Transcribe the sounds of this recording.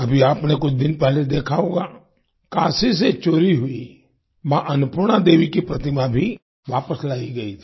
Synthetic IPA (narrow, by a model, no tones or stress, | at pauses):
ɐbʱiaːpnekʊt͡ʃʰd̪ɪnpɛɦled̪eːkʰaoːɡaː | kaːsis̬et͡ʃoːɾiɦʊi | ʋãʔɐnʊpʊɾɽ̃ad̪eːʋikipɾɐt̪ɪmabʱi | ʋaːpəslaːiɡɐit̪ʰː